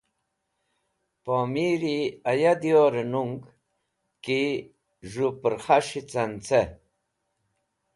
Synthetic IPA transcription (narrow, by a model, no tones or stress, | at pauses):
poːmiɾiajad̪joːɾenuŋɡ | ki | ʐupəɾχaʂit͡sant͡se